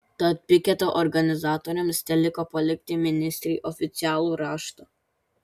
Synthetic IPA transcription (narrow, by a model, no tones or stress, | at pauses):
t̪ɐt̪̚ʲpʲɪkʲɛt̪oʔɔɾɡɐnʲɪzɑːt̪ɔɾʲɛmsnʲɛlʲɪkoːpɐlʲɪkʲt̪ʲɪmʲɪnʲɪsʲt̪ʲɾʲiːʔɔfʲɪt̪sʲɪæːlˠuːɾɑːʃt̪o